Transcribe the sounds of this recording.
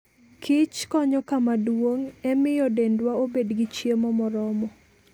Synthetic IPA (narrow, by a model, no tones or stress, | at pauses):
kʰɪt͡ʃkɔɲɔkamadwoŋɛmɪjɔdendwaobedɡɪt͡ʃjemɔmɔɾɔmɔ